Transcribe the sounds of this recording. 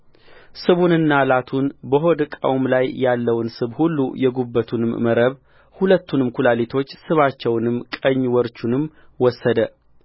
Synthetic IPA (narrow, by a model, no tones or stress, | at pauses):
sɨβunɨnːalat̪ʰunbəɦo̞d̪kʼə̰wmlajjalːəwnsɨβhulːujɛɡubːət̪ʰunɨmːəɾəβ | hulət̪ːunɨmkʰulalit̪ʰo̞t͡ʃːsɨβat͡ʃːɛwnɨmkʼəɲːwɔɾt͡ʃunɨmwɔsːəd̪ə